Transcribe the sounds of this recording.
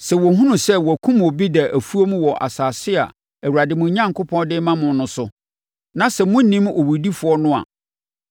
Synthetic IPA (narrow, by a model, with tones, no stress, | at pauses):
sɛ˨wɔ˨ɦũ˦nʊ̃˨sɛ˦wɔ˨æ˨kʰũ˦mo˨bi˦dɛ˨ʔæ˨fu˦o˦mũ˦wɔ˨ʔa̰˨saː˨sɪ˦a̰˨ | æ˨wu˨ɾa˨dɪ˨mʊ̃˨˦ɲã˦ŋkʰʊ˦pʰɔ̃˦ndɪ˦mã˦mʊ̃˨˦nʊ̃˨˦sʊ˨ | nã˨sɛ˨mʊ̃˦n̩˦nĩ˦mo˨wu˨di˦fʊ˨˦ɔ˦nʊ̃˦a̰˨